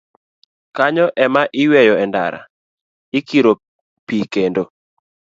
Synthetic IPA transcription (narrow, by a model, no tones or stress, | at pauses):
kaɲɔʔɛmaʔɪwɛjɔɛnda̰ɾa̰ | ɪkiɾo | pikendo